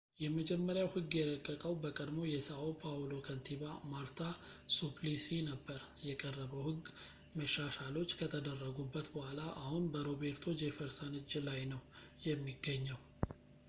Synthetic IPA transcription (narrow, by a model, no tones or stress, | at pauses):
jɛməd͡ʒɛmːəɾjawhɨɡːjɛɾəkʼːəkʼəwbəkʼəd̪mo̞jɛsəopʰalo̞kʰənt̪ʰiβamaɾt̪ʰasuplisinəbːəɾjɛkʼərːəβəwhɨɡː | məʃːaʃalo̞t͡ʃːkʰət̪ʰəd̪ərːəɡubːət̪bəhʷalaʔahunbəɾo̞βe̞ɾt̪ʰo̞d͡ʒefəɾsanɨd͡ʒlajnəw | jɛmːiɡːəɲːəw